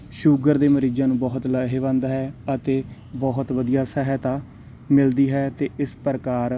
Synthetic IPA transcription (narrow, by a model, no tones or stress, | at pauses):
ʃuːɡəɾd̪eːməɾiːd͡ʒãːnũːbɔːɦət̪ləɦeːbãːnd̪aːɦɛːət̪eː | bɔːɦʊt̪ʋəd̪ijaːsɛɦət̪aː | mɪld̪iːɦɛːt̪eːʔɪspəɾkaːɾ